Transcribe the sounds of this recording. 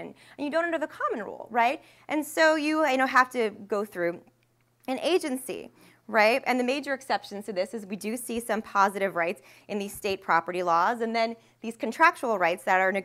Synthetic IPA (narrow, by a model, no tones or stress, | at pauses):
ɨ̃n | ɨ̃njɨdõʊ̃ñndə˞ðəkʰɑmə̃n̩ɹṵlˠɹaɪt̚ | ʔɨ̃nsoʊjɨjɨñoʊɦæftɨɡoʊθɹʉ | ɨ̃neɪd͡ʒɨ̃nsḭ | ɹaɪt̚ɨ̰̃nðɨmeɪd͡ʒə˞ɨksɛpʃɨ̃n̩tʰɨðɪsɨzwidɨsisʌ̃mpʰɑzɨɾɨvɹaɪts | ʔɨ̃nðiz̥steɪt̚pʰɹ̥ɑpə˞ɾilɔzɨ̃nðɨ̃n | ðiz̥kʰɨ̃ntʰɹ̥æk̚t͡ʃəl̩ˠɹaɪtsðɨɾə˞nɨ